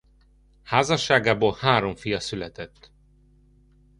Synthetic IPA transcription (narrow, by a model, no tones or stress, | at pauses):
haːzɒʃːaːɡaːboːlhaːɾo̞ɱfijɒsylɛt̪ɛt̪ː